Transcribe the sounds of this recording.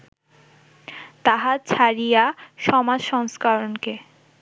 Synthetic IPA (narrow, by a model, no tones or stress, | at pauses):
t̪aɦat͡ɕʰaɾijaʃɔmad͡ʑʃɔŋskaɾonke